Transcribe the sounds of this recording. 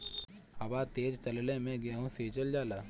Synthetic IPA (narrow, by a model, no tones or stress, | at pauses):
hɐbaːt̪eːd͡ʒt͡ʃɐllemẽɡeɦũseːt͡ʃəld͡ʒaːlaː